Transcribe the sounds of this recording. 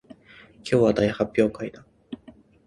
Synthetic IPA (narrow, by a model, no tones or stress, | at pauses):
kʲjo̞ːβad̪aihapʲːjo̞ːkaid̪a